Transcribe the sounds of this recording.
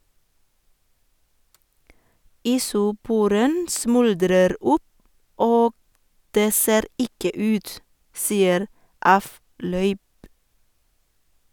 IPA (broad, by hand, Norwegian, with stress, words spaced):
iːsʊˈpuːɾən ˈsmʉldɾəɾ ˈʊp ˈoːɡ ˈdeː ˈseːɾ ˈɪkə ˈʉːt ˈsiːəɾ ˈɑˌflœʏp